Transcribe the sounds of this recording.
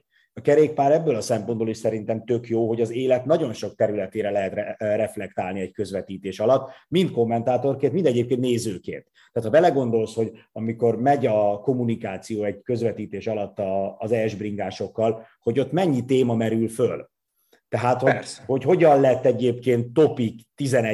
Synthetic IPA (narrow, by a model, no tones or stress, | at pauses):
ɒkɛɾeːk̚paːɾɛbːøːlɒsɛmpo̞nd̪boliʃsɛɾint̪ɛmt̪ø̞kjoːɦo̞ɟɒzeːlɛt̪nɒɟo̞nʃo̞k̚t̪ɛɾylɛt̪eːɾɛlɛɦɛt̪rɛrɛflɛk̚t̪aːlniɛɟkø̞zʋɛt̪iːt̪eːʃɒlɒt̪ːmint̪̚ko̞mːɛnt̪aːt̪o̞rkeːnt̪mind̪ɛɟeːp̚keːnneːzøːkḛːnt̪ːɛaːt̪hɒbɛlɛɡo̞nd̪o̞lsho̞ɟɒmiko̞rmɛɟɒko̞munikaːt̪sijoːɛɟkø̞zʋɛt̪iːt̪eːʃɒlɒt̪ːɒːzɛʒbriŋɡaːʃo̞kːɒl | ho̞ɟo̞t̪mɛɲːit̪eːmɒmɛɾylføl | t̪ɛɦaːt̪hoho̞cho̞ɟɒnlɛt̪ːɛɟeːpkeːnt̪ːo̞pikt̪izɛnɛ